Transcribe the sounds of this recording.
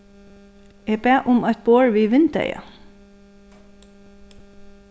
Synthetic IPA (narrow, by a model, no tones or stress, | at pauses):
ɛːpɛːʔʊmaɪt̪̚boːɹʋiːʋɪnt̪ɛ̰ja̰